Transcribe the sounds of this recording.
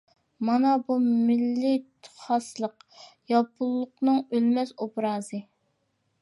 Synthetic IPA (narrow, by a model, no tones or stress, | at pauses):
mɑnɑbumɪlːɪt̪ʰχɑslˠəqjɑpʰulˠːʊqnɨŋølmɛsobɾɑːzɨ